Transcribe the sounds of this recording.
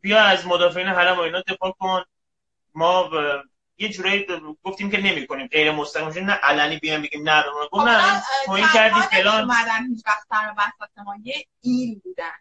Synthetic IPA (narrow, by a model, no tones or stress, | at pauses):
bijɒæzmod̪ɒːfeiːneɦælæmoinɒd̪e̞fɒːkʰon | mɒː | je̞d͡ʒuːɾɒjiɡo̞ft̪iːmce̞ne̞miːko̞niːmɢe̞jɾemost̪æʁimeʃoinæʔælæniːbijɒjmbeɡiːmnæbemuːnɡofnæt̪ʰoːiːnkʰæɾd̪iːfe̞lɒːnæd̪ænhit͡ʃvæχt̪̚sæɾbæsɛxt̪emɒje | ilbuːd̪æn